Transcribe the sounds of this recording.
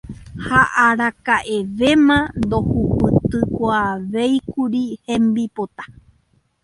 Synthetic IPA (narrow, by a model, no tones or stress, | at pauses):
haʔaɾakaʔeʋe̞mãnd̪o̞hupɨt̪ɨkoaʋejkuɾihẽmbipot̪ḁ